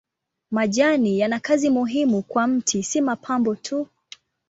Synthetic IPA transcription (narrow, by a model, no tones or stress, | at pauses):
maʄanijanakazimuɦimukwam̩tʰisimapʰambɔtʰu